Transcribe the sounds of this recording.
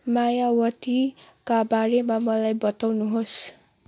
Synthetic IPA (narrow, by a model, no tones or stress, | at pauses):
majawʌt̪i | kabaɾemamʌlajbʌt̪awnuɦos